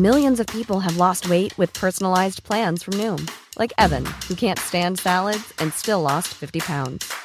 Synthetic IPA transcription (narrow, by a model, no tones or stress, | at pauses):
mɪlˠjɨ̃nzʌv̥pʰipl̩ˠɨvlɔst̚weɪʔ̚wɨð̥pʰɜ˞sn̩əlaɪzpʰl̥æ̃nz̥fɹʌ̃mnʉ̃mlʔa̰ɪkɛvɨ̰̃nhʉkʰæ̃ntstæ̃nd̥sælˠədz̥ɨ̃nstɪlˠɔstfɪftipʰãʊ̃ndz̥